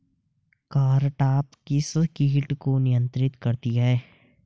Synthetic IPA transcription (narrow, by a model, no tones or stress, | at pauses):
kaːɾʈaːpkisəkiːʈkonɪjə̃nt̪ɾɪt̪kɐɾt̪iaɦɛː